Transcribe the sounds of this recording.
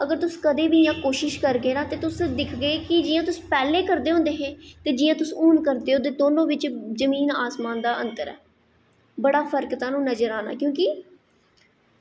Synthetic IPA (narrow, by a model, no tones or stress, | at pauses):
əɡəɾt̪ʊskəd̪eːʋiːjãːkoːʃɪʃkəɾɡeːnãːt̪eːt̪ʊsd̪ɪkʰɡəeːkɪd͡ʒɪjãːt̪ʊspɛːleːkəɾd̪eːɦõːnd̪eːɦɛ̃ːt̪eːd͡ʒɪːjãːt̪ʊsuːnkəɾd̪eːɦõːd̪eːd̪oːnõːʋɪt͡ʃzəmiːnaːsmaːnd̪aːʔənt̪əɾɛ̰ː | bəɽaːpʰəɾkt̪ãːnũːnəd͡ʒəɾaːna̰ːkjõːkɪ